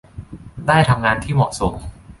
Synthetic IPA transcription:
daː˥˩jt̪ʰa˧mŋaː˧nt̪ʰiː˥˩mɔ̰ː˨˩t̪̚so˩˦m

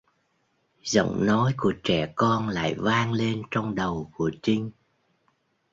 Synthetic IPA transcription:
zə̰˧˨wŋ͡mnɔ˨˦jku˧˩ət͡ɕɛ˧˩kɔ˧nla̰ː˧˨jvaː˧ŋle˧nt͡ɕɔ˧wŋ͡mɗə˨˩wku˧˩ət͡ɕï˧ŋ

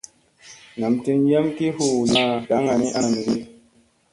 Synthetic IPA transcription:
na˨mti˦nja˦mki˦hu˦˨na˦da˨˦ŋa˨ni˦ʔa˦˨mi˨ɾi˦

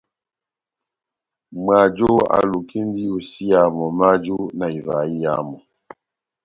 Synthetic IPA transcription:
mwa˨d͡ʒɔ˦a̰˨lu˨ki˦n˦di˦u˨si˦ja˨mɔ˨ma˦d͡ʒu˦na˨i˨va˨i˦ja̰˨˦mɔ˨

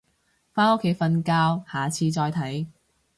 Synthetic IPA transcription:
faː˥no˥kʰːe˨˥jfɐ˧nkaː˧whaː˨t͡sʰiː˧t͡sɔː˧jt̪ʰɐ˨˥j

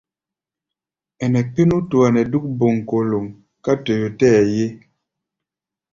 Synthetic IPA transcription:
ɛ˨nɛ˨k͡pe˦nu˦tu˨a˨nɛ˨du˦k̚bo˨ŋ˨ko˨lo˨ŋ | ka˦tɔ˨jo˨tɛ˦a˨je˦

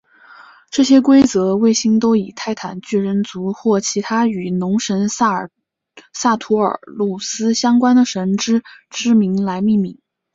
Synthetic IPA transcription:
ʈ͡ʂɤ˥˩ɕjɛ˥kwe˥ɪt͡sɤ˧˥we˥˩ɪɕi˥ŋt̪o˥ʊi˨˩t̪ʰa˥˩ɪt̪ʰa˨˩nt͡ɕy˥˩ɻə˧˥nt͡su˧˥xwɔ˥˩t͡ɕʰi˧˥t̪ʰa˥y˨˩nʊ˧˥ŋʂə˧˥n˥ | sa˥˩t̪ʰu˧˥ə̰˞˨˩˦lu˥˩sɹ̩˥ɕjɑ˥ŋkwa˥nd̪ə˨ʂə˧˥nʈ͡ʂɻ̩˥ʈ͡ʂɻ̩˥mi˧˥ŋla˧˥ɪmi˥˩mi˧˩˥ŋ

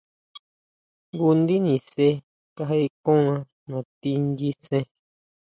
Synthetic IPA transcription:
ɡu˧nd̪i˦nĩ˨se˦ | ka˧ɦa˧i˧kõ˦ã˧ | nõ˨t̪i˧nɡi˧sẽ˧

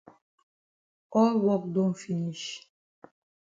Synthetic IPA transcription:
ɔ˦lwɔ˦k̚do˦mfi˦ni˨ʃ

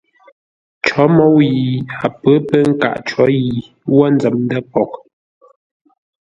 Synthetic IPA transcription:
t͡ʃɔ˨˦mɔ˨˦wji˨a˨pə˨˦pə˦ŋ̩˦ka̰˨ʔt͡ʃɔ˨˦ji˨ | wa˦n˦d͡zɛ˨mn˦də˦pɔ˨k̚

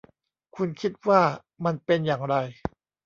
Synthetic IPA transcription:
kʰu˧nkʰi˦˥t̪̚waː˥˩ | ma˧npe˧njaː˨˩ŋɾa˧j

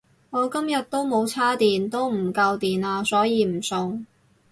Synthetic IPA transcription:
ŋɔː˨˧kɐ˥mjɐ˨t̚t̪o˥wmo˨˧wt͡sʰaː˥t̪iː˨nt̪o˥wm̩˨˩kɐ˧wt̪iː˨naː˧sɔː˨˥jiː˨˧m̩˨˩sʊ˨ŋ

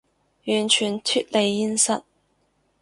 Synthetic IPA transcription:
jyː˨˩nt͡ʃʰyː˨˩nt̪ʰyː˥t̚le˨˧jːi˥nsɐ̰˦˥t̚

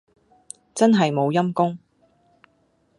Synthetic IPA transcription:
t͡sɐ˥nɦɐ˨jmo˨˧wjɐ˥mkʊ˥ŋ

